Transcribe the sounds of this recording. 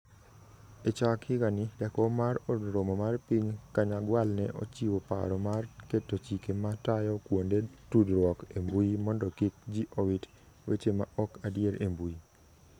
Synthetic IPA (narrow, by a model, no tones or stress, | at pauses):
et͡ʃakhɪɡanɪdɛkɔmaɾɔdɾomɔmarpiɲkaɲaɡwalnɛʔo̰t͡ʃiwopa̰ɾɔmarketːot͡ʃikematajɔkwondetudɾwɔkembuimɔndɔkik̚d͡ʒiʔowit | wet͡ʃema̰ʔɔkadjeɾʔembui